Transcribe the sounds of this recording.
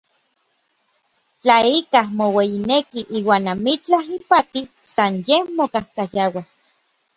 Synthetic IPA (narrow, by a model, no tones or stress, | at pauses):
t͡ɬaikahmowejinekiʔiːwaːnamit͡ɬaɦipat̪i | sanjemokahkajawa